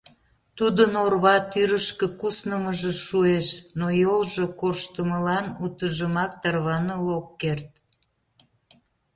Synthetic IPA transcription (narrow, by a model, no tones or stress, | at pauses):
t̪ud̪ənorβɑt̪yɾəʃkə̆kusnəməʒeʃueʃnojolʒokoʃt̪əməlɑnut̪əʒəmɑk̚t̪ɑrβɑnəlokːert̪̚